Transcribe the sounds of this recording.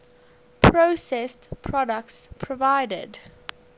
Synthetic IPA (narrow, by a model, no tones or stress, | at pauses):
pʰɹoʊsɛstpʰɹɔdək̚tspʰɹɔvaɪdə̰d